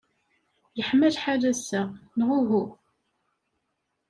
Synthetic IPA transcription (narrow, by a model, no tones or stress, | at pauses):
jəħmæðħaðæsænʁʊɦu